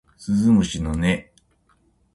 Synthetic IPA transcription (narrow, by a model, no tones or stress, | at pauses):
sɨzɨmɯɕinone